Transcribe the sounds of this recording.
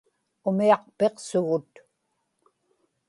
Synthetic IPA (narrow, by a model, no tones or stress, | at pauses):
ʊmiɑq̚pe̞qsʊɣʊt̪